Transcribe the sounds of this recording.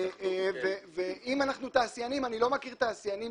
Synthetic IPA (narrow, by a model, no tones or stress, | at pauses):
veveimanaχnut̪aːsjanimanilo̞makiʁt̪aːsjani